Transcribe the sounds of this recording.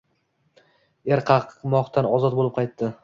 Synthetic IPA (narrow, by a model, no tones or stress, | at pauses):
eɾqʰɑqmɒχt̪ʰanɒzɒt̪̚bolɪp̚qʰɑajt̪ːɪ